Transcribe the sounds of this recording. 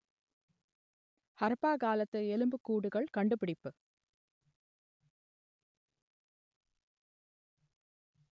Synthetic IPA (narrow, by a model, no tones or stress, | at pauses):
hɐɾpːaːkaːlɐt̪ːɐɛlɯmbɯkːuːɽɯɣɐɭkɐɳɖɯpɪɽɪpːɯ